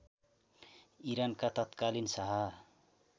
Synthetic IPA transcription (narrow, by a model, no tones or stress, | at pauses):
iɾankat̪ʌt̪kalinsaɦa